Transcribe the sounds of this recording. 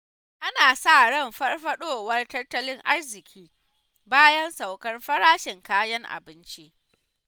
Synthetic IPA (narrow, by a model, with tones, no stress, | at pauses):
ʔa˦naː˨sa˦˨ɽɐ˦˨mɸɐ˦rɸɐ˦ɗoː˦˨wɐ˦rtɐ˦rtɐ˦lɪ˦ŋʔa˦rzɪ˨kʲʰiː˦ | baː˦jɐ˦nsa˨wkɐ˦rɸɐ˦ɽaː˦ʃɪ˨ŋkaː˦jɐ˦ŋʔa̰˨bɪ˦nt͡ʃi˦ʔ